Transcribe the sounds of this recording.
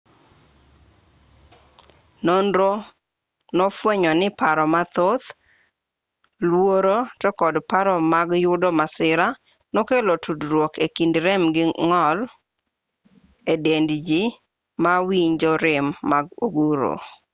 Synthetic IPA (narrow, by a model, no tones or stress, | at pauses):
nondɾo | nɔfwɛɲɔnɪpaɾɔmat̪ot̪ | lwoɾotɔkɔdpaɾɔmaɡjʊdɔmasɪɾa | nɔkelotʰudɾwokekindɾɛmɡɪŋɔl | edendd͡ʒi | mawiɲd͡ʒɔɾɪmːaɡoɡuɾo̰